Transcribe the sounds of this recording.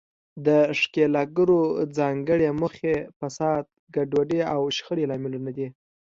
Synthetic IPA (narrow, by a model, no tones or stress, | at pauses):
d̪əʂkelɑɡəɾod͡zɑŋɡəɽeməxefasɑd̪̚ | ɡaɖwaɖeawʃxəɽelɑmɪlunad̪i